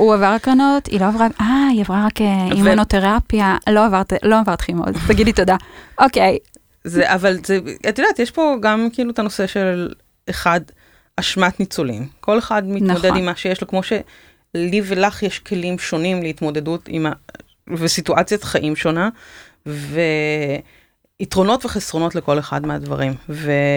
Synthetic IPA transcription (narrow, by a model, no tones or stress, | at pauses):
uavaʁakʁanotʰḭloavʁaʔaiavʁaʁakeivmonoteʁapjalo̞avaʁt̪lo̞avaʁt̪χimo̰zt̪aɡidlit̪o̞daʔoke̞j | zeʔavalzeat̪jodaːt̪jeʃpo̞ɡamkiiluet̪ano̞se̞ʃe̞ll | eχad̪ | aʃmat̪nit͡solḭmkʰo̞leχadmintmodedimːaʃejeʃlokmo̞ʃe̞ | livelaχjeʃkʰe̞limʃo̞nimleit̪mo̞de̞dutḭma | vesituʔat͡sjat̪χaʔimʃo̞na | ve | itʁo̞no̞tveχesʁo̞no̞tleko̞leχa̰dmeadva̰ʁimve